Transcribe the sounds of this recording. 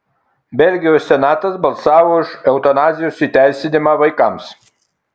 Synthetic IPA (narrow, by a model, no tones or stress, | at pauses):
bʲɛlʲɡʲɪjoːsːʲɛnɑːt̪ɐsbɐlˠsɑːʋoːɪʃɛʊt̪ɐnɑːzʲɪjuːsiːˑt̪ʲæˑɪsʲɪnʲɪmɑʋɐɪkɐˑms